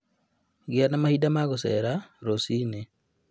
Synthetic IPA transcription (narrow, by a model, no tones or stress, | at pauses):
ɡjanamahidamaɣosɛ̰ɾaɾosine